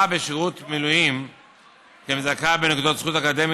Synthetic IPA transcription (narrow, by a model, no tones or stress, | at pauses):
abeʃiʁut̪milujim | ʃemzakabenekud̪o̞t̪z̥χut̪akod̪e̞mi